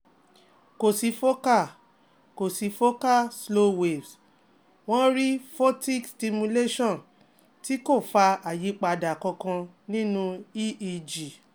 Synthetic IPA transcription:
ko˨si˨˦fo˦ka˦˨ | ko˨si˨˧˦fo˦ka˦˨slo˦we˨vs | w̃ɔ̃˦ɾi˦fɔ˦ti˦˨ksti˧mũ˧le˦ʃɔ̃˦˨n | ti˦ko˦˨fa˧a˨ji˨˦k͡pa˧da˨kɔ̃˧kã˧ | nĩ˦nũ˦i˦i˧d͡ʒi˨

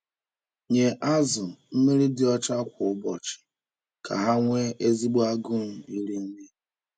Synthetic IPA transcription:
ɲe˨ʔa˦zʊ˨m̩˦me˦ɾi˦dɪ˦ɔ˦t͡ʃa˦kʷʊ˨ʊ˦bɔ˨t͡ʃɪ̥˨ | kʰa̰˨ɦa˦ŋʷe˦ʔe˦zi˦ɡ͡ba˦ɡʊ˦m̩˨i˦ɾi˦n̩˦ni˦

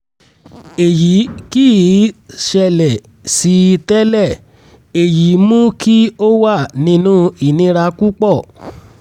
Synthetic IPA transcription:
e˨ji˨˦ki˦˨˦ʃɛ˧˨lɛ˨ | si˧˦˧tɛ˦lɛ˦˨ | e˨ji˨˦mũ˦kʰi˦o˦wa˦˨nĩ˧˦nũ˦i˦˨nĩ˧˦ɾa˧ku˦k͡pɔ˦˨

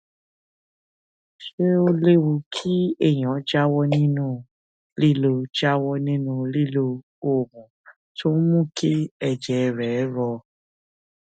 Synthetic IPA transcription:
ʃe˦o˧le˦wo˧kʰi˦ɛ˦˨j̃ã˨˦d͡ʒa˦wɔ˦nĩ˦nũ˦ | li˦˨lo˧d͡ʒa˦wɔ˦nĩ˦nũ˧li˦˨lo˧ | o˨mũ˨ | tʰo˦mũ˦˨kʰe˦ɛ˧˨d͡ʒɛ˨˧ɾɛ˨˦ɾɔ˧

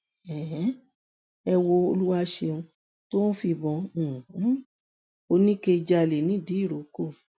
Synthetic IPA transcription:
ɛ˨ɦɛ̃˨˦ | ɛ˧wo˧o˧lu˦wa˦ʃe˧ũ˧ | to˦nũ˦fi˧˨bɔ̃˧˨˦ | o˧nĩ˦ke˧d͡ʒa˧le˨nĩ˨˦di˨˦i˦˨ɾo˨˦ko˦˨

